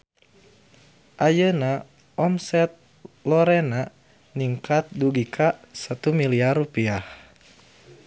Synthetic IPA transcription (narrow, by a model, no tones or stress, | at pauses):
ʔajəna | ɔmsɛt̪̚ | lɔɾɛna | niŋkat̪̚duɡikʰasat̪umiliarupiah